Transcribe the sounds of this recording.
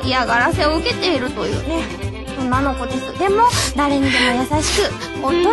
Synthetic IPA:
iaɡaɾase̞o̞ɯ̟ke̞t̪e̞iɾɯ̟t̪o̞jɯ̟̰ːne̞ | õnːano̞ko̞d̪e̞sɨd̪e̞mo̞d̪aɾe̞ɲ̟id̪e̞mo̞jasaɕi̥kɯ̟ | ot̪ːo

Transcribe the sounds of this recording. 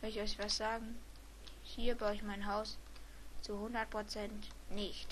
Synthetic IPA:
mɛɔʏçɛtvastz̥aːɡŋ̩ | hiːɐbʁaʊɪçmaɪnɦaʊst͡suhʊndɐt̚pʁ̥ot͡sɛntnɪçt

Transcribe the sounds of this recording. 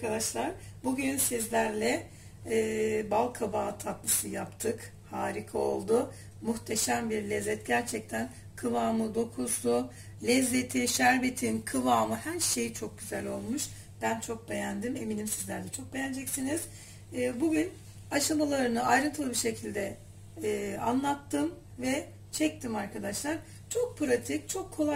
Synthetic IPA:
kʰad̪aʃlˠaɾ̥ | buɟynsizlʲæɾlʲɛː | balˠkʰavaːt̪ʰap̚lˠɯsɯjapt̪ʰɯk | haːɾikʰao̞̰lˠd̪ʊ | muxt̪ʰe̞ʃæmbiɾlʲɛzːɛt̪̚ɟæɾt͡ʃʰɛc̚t̪ʰæn | kʰɯvaːmɯd̪o̞kʰusu | lʲɛzːe̞t̪ʰiʃæɾbe̞t̪ʰinkʰɯvaːmɯhæɾʃe̞jt͡ʃʰo̞k̚ɟyzælʲo̞lˠmuʃ | b̥ænt͡ʃʰo̞k̚be̞jænd̪ime̞minimsizlʲæɾd̪ɛt͡ʃʰo̞k̚be̞jænd͡ʒɛcsiniz̥ː | buɟyn | aʃamalˠaɾɯnɯajɾɯnt̪ʰɯlˠɯbiɾʃecʰilʲd̪ɛː | a̰nlˠat̪ːɯm | vɛ | t͡ʃʰɛc̚t̪ʰimaɾkʰad̪aʃlˠaɾ̥ | t͡ʃʰo̞k̚pʰɾat̪ʰic̚t͡ʃʰo̞kʰːo̞lˠa

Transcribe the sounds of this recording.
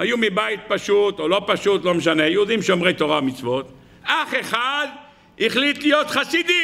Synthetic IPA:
hajumibait̪̚paʃut̪olo̞paʃut̪lo̞meʃ̬anejehud̪imʃeomʁet̪o̞ʁamit͡svo̞t̪ | aχe̞χad | iχlit̪lijo̞t̪χasid̪i

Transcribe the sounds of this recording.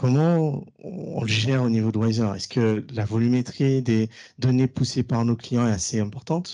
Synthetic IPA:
kɔmɑ̃ | ɔ̃ɔ̰̃ləʒɛʁonivod̪lwazœʁɛ̰skəlavɔlymet̪χid̪e | d̪ɔnepusepaʁnoklijɑ̃ɛt̪aseɛ̃pɔʁt̪ɑ̃t̪

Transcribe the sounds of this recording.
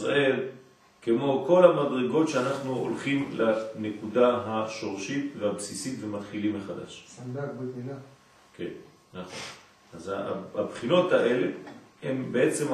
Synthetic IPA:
ʁa̰ʔel | kemo̞ko̞lamadʁeɡo̞tʃeanaχnuo̰lχimlane̞kudaɦaʃo̞ʁʃit̪vehabsisit̪vemat̪χilimːeχada̰ʃadabetina | ke̞n | naχo̞̰n | azaabχino̞t̪aʔe̞leembeʔet͡se̞m

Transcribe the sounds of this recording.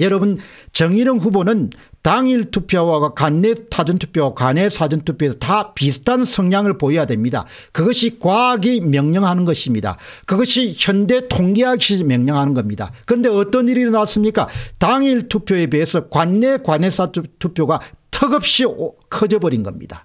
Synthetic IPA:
jʌɾʌbɯn | t͡ɕʌŋiɾɯŋɸubonɯn | taŋiɭtʰupʰjowaakwanːetʰad͡ʑʌntʰu̥pʰjowakwanesʰad͡ʑɯntʰupʰjoesʰʌtapisʰɯ̥tʰansʰʌŋɲaŋɯɭpoijadwe̞mɲida̰ | kɯɡʌɕʰikwaɡimjʌŋɲʌŋɦanɯnɡʌɕʰimɲida̰kɯɡʌɕʰiçjʌnde̞tʰoŋɡeɦaɡɕ͈imjʌŋɲʌŋɦanɯnɡʌmɲida̰kɯɾʌnde̞ʌt͈ʌniɾiɾʌnas͈ɯmɲik͈ataŋiɭtʰupʰjoe̞beesʰʌkwanːe̞kwane̞sʰatʰupʰjoɡatʰʌɡɯp̚ɕ͈ikʰʌd͡ʑʌbʌɾinɡʌmɲḭd̥a

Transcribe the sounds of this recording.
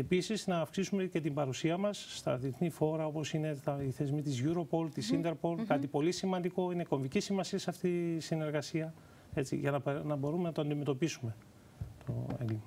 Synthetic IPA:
e̞pisiznɐːfksisumece̞t̪imbɐɾusiɐmɐsːt̪ɐ̰ðieθnifo̞ɾɐopo̞sine̞t̪ɐiθe̞zmit̪izʝuɾo̞po̞lt̪isind̪e̞ɾpo̞lkɐt̪ipo̞lisimɐnd̪iko̞ine̞ko̞ɱvicisimɐsiɐsɐft̪isine̞ɾɣɐsiɐ | e̞t͡sḭʝɐnɐpnɐbo̞ɾumenɐt̪oɐnd̪ime̞t̪o̞pisume̞ | t̪o̞̰e̞̰ŋɡlimɐ

